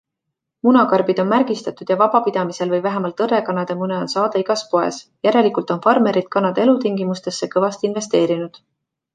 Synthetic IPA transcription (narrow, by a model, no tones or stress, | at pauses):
munɑkɑrb̥id̪̥o̞nmærɡ̥ist̪ɑt̪ud̪̥jɑvɑb̥ɑpid̪̥ɑmise̞lvɤjvæɦemɑlt̪ɤre̞kɑnɑd̪̥emuneo̞nsɑːd̪̥eiɡ̥ɑspo̞e̞̰sjæɾelikult̪o̞nfɑrme̞ɾid̪̥kɑnːɑd̪e̞lut̪iŋɡimust̪e̞sːe̞kɤvɑst̪inve̞st̪e̞ːɾinud̪̥